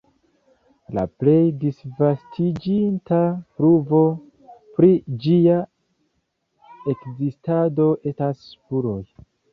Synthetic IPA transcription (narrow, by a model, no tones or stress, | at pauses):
la̰ple̞jdisvastʰid͡ʒintapɾuvo̞ | pɾid͡ʒia | ekzistado̞ʔe̞staspuɾo̞j